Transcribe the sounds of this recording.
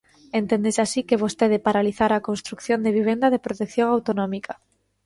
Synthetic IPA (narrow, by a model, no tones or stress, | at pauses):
ent̪ẽnd̪esasikeβ̞ost̪eð̞epaɾaliθaɾakonst̪ɾukθjond̪eβ̞iβ̞end̪aðepɾot̪ekθjõŋawt̪onɔ̃mika